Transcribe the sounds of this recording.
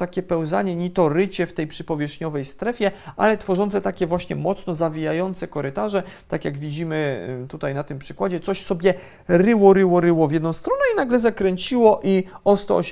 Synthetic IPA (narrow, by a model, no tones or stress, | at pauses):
t̪akʲɛpɛwzaɲɛɲit̪ɔɾɘt͡ɕɛft̪ɛjpʂɘpɔvʲjɛʂɲɔvɛjst̪ɾɛfʲjɛʔa̰lɛt̪fɔʐɔnt̪sɛt̪akʲɛvwaɕɲɛmɔt̪snɔzavʲijajɔnt̪sɛkɔɾɘt̪aʐɛt̪akʲjaɡvʲid͡ʑimɘt̪ut̪ajnat̪ɘmpʂɘkwad͡ʑɛt̪sɔɕsɔbʲjɛ | ɾɘwɔɾɘwɔɾɘwɔvʲjɛd̪nɔ̃w̃st̪ɾɔnɛinaɡlɛzakɾɛɲt͡ɕiwɔʔiɔst̪ɔ̰ɔ̰ɕ